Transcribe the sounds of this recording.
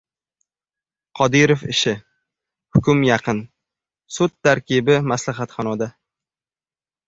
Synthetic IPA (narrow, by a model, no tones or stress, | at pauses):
qʰɒd̪iɾofɪʃɪ | hʊkʲʊmjɑqɨn | sʊt̪ʰːaɾkʲɪbɪmaslaɦat̪χɒnɒd̪a